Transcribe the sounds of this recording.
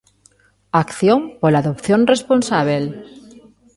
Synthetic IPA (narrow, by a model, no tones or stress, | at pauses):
akθjõmpolaðopθjonresponsaβ̞el